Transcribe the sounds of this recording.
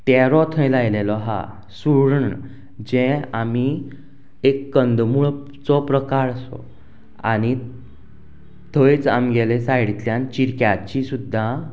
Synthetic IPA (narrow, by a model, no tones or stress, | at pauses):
t̪ɛɾɔt̪ʰə̃jlajlelɔɦa̰ | suɽɳ | d͡ʑɛ̃ami | ekːənd̪muɭ | t͡sɔpɾəkaɾsɔ̰ | a̰ni | t̪ʰəjt͡sa̰mɡɛlesajɽit̪ljãnt͡ɕiɾkjat͡ɕisud̪ʱːa